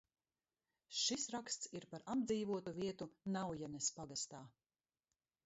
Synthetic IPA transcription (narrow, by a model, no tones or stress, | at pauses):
ʃisɾakst̪siɾpaɾabd̪ziːvuɔt̪uviɛt̪unawjanɛspaɡast̪aː